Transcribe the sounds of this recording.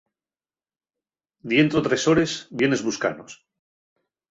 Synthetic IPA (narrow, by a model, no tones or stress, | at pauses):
d̪je̞nt̪ɾot̪ɾeso̞ɾezbje̞ne̞zβuska̰nos